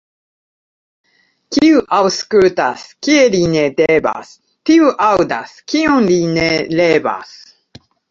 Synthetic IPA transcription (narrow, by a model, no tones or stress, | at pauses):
kʲiɯʔawskʉt̪askʲieɾʲined̪eba̰s | t̪iɯʔaɯd̪a̰skʲiõnɾineleːba̰s